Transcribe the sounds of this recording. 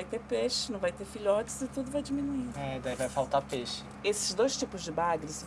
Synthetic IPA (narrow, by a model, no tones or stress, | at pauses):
ajt̪eɾpeʃɪnɐ̃w̃vajt̪efiʎɔt͡ʃɪ̥zɪt̪ud̪ʊvajd͡ʒimĩnuiɛid̪aivajfawt̪aɾpeʃɪ̥ | esɪ̥zd̪ojst͡ʃipʊzd͡ʒɪbaɡɾɪs